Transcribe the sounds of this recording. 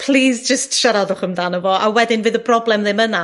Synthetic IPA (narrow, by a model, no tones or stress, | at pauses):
pʰl̥ˠiːzd͡ʒəstʃaɾaðʊχəmðanəvɔʔawɛdɪnvɨːðəbʰrɔblˠɛmðɪməna